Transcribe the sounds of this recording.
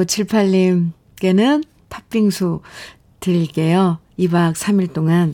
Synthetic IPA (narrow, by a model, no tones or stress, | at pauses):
ot͡ɕʰiɭpʰaʎːim | k͈e̞nɯn | tʰap͈iŋsʰu | tɯɭk͈e̞jo | ibak̚s͈ʰamiɭt͈oŋan